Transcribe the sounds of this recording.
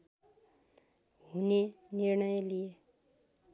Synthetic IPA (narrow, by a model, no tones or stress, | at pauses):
ɦunenirɳʌjlije